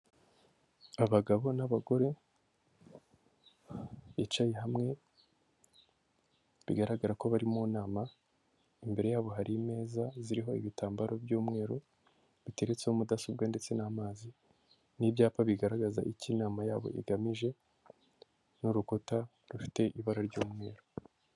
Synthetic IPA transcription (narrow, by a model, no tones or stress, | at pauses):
aβaɡaβo̞naβaɡo̞ɾe̞ | it͡ʃajeɦamŋe̞ | βḭɡaɾaɡaɾako̞βaɾimuːnaːma | imbe̞ɾe̞jaːβo̞ɦaɾime̞ːzaziɾiɦo̞ḭβitaːmbaɾo̞bɟuːmŋe̞ːɾo | βite̞ɾet͡sehomudasob̚ɡende̞t͡se̞naːmaːzi | nibɟaːpaβiɡaɾaɡaza̰ʔicinaːmajaːβo̰ʔḭɡamiʒe̞ | nuɾuko̞ta | ɾufi̥te̞ʔiβaɾaɾɟuːmŋe̞ːɾo